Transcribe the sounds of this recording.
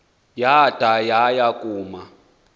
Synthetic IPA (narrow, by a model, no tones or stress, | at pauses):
jad̥ʱajajakʼuːma